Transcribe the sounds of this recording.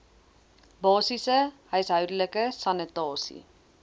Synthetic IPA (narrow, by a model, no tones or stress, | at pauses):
bɑːsisəɦœɥsɦœwdələkəsɐnətɑːsḭ